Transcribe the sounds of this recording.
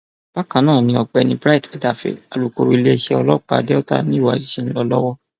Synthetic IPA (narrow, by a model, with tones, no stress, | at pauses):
b̥a˦kã˨nãː˦˨nĩ˧ɔ˧k͡pɛ˧˨nĩ˧bɾa˦i˦˨tɛ˨da˨fḛ˨a̰˨lu˨ko̰˨ɾi˨˧le˦˧ʃɛ˧˦ɔ˧lɔ˦k͡pa̰˨dɛ˦ɔ˦ta̰˦nĩ˦i˦˨wa˨d͡ʒi˨˦si˦n̩˦lɔ˧lɔ˦wɔ˦